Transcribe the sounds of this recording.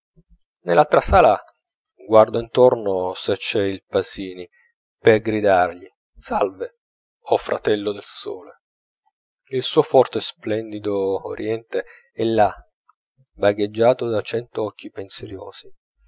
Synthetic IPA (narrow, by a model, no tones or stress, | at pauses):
nelːalt̪ɾasaːla | ɡward̪oint̪ornoset͡ʃːɛilpaziːni | perɡɾid̪arʎi | salve | ɔfɾʔa̰t̪ɛlːod̪elso̰ːle | ilsuːofɔrt̪esplɛnd̪id̪o̰ːɾjɛnt̪e | ɛlːa | baɡed͡ʒːaːt̪od̪at͡ʃɛnt̪oɔkʰːipenseɾjo̰ːz̥i